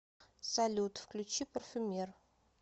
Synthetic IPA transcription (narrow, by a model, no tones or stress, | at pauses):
sɐlʲut̪fklʲʉt͡ɕːipərfʲʊmʲer